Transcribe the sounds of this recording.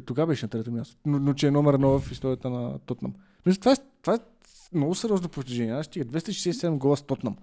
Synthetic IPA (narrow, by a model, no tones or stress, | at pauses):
t̪oɡabɛʃɛnɐt̪ɾɛt̪omʲjast̪o̥nonot͡ʃɛɛnɔmɛɾnovɐfist̪ɔɾʲiət̪ənɐ̰t̪ɔt̪na̰m | smisət̪vaɛt̪vaɛ | mnɔɡʊsɛɾʲjɔznopofst̪iʒɛnʲɛnaʃst̪iɡəd̪vɛst̪əiʃɛ̥sɛːssɛd̪ɛmɡɔlˠəst̪ɔt̪nam